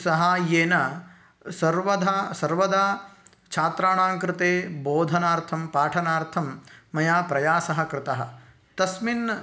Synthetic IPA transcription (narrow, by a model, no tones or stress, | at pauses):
sɐɦajeːnɐ | sɐɾʋɐd̪ʱasɐɾʋɐd̪aː | t͡ʃʰaːt̪ɾaːɳaːŋkɾɪt̪eːboːd̪ʱɐnaːɾt̪ʰɐmpaːʈʰɐnaːɾt̪ʰɐmːɐjaːpɾɐjaːsɐɦɐ̆kɾɪt̪ɐɦɐ̰̆ | t̪ɐsmin